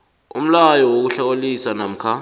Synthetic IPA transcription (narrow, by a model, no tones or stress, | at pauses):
ṵm̩lajɔwok̬uɬak̬olisanam̩kʰa